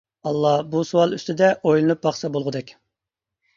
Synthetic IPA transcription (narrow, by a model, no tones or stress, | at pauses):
ɑlˠːɑbusuwɑlˠyst̪ɪd̪ɛʔojlˠɨnup̚bɑχsɑbolˠʁʊd̪ɛkʲ